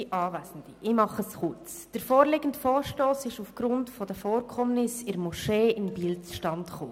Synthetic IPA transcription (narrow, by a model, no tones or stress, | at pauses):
iʔɑːvæsən̩d̥iʔɪmɑχəsχʊrt͡s | d̥əɾfoːɾlɪɡ̥əntfoːɾʃtoːsɪʃufɡ̥ɾʊntfɔd̥əfoːɾkʰɔmnɪsɪɾmɔʃeːɪnbiːlt͡sʃtɑntχo̰ː